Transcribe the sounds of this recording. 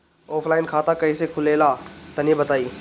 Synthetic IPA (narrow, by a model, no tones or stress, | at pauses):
ɔːpʰlaːɪnkʰaːt̪akɐisekʰʊleːlat̪ɐnibət̪aːiː